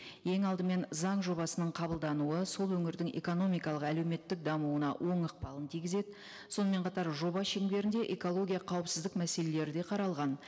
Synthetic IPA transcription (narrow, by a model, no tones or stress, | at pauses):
je̞ŋɑlˠd̪əme̞nzɑɴʒo̞bɑsənəɴqʰɑbəlˠd̪ɑnuəso̞lˠwɵŋɪɾd̪ɪŋe̞̰ko̞no̞mijkɑlˠəqæle̞wme̞t̪ːɪk̚d̪ɑmuwənɑ̰wʔo̞ɴəq̚pɑlˠənt̪ʰijɡʲɪze̞d̪ɪ | so̞nəme̞ɴqʰɑt̪ɑɾʒo̞bɑʃeŋd̪e̞ɾɪnd̪e̞ʔeko̞lˠo̞ɡʲijɑqʰɑwəpsɪzd̪ɪkmæse̞lele̞ɾɪd̪e̞qʰɑɾɑlˠʁɑn